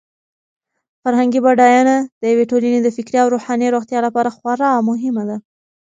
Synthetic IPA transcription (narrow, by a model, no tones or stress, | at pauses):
faɾɦaŋɡibaɖɑjɑnad̪̥əjaweʈolaned̪əfɪkɾeawɾoxɑneɾoxt̪jɑlapɑɾaxwaɾɑwmʊɦɪmad̪a